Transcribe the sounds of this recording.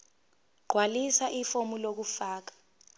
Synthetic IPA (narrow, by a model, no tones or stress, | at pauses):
ɡ͡ǃʱwalisaʔifomulok̬ufaːk̬ḁ